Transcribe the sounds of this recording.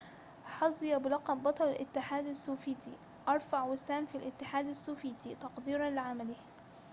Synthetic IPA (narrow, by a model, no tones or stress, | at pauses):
ħɑsˤɨjɑbɪlɑqɑmbɑt̪ˤɑlalʔɪ̰t̪ːɪħaːd̪asːuːfiːt̪i | ʔɑɾˤfaʕwɪsaːmfilʔɪt̪ːɪħaːd̪asːuːfiːt̪it̪ɑqd̪iːɾˤɑnlɪʕamalɪh